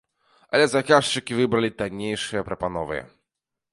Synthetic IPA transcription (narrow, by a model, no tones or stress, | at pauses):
ɐ̰lʲɛzakaʂt͡ʂɨkʲivɨbɾɐlʲit̪anʲejʂɨjɐpɾɐpanɔvɨ̰